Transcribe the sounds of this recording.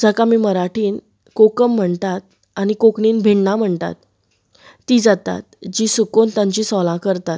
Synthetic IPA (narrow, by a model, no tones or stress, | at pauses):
d͡zəkamiːməɾaʈʰiːn | kokəm̤ːəɳt̪at̪̚ | añikokɳiːnbʱiɳnam̤əɳt̪a̰t̪ː | iːd͡zat̪a̰t̪̚d͡ʑiːsukont̪jãɲt͡ɕiːsɔlãkəɾt̪at̪